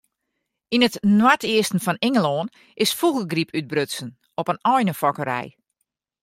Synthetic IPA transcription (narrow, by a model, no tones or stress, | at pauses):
inətnwatʰiəstn̩fɔnɪŋəloːn | ʔɪsfuɣəɡripʰyd̚brøtsən | ɔpənɔjnəfɔkəɾɛ̰j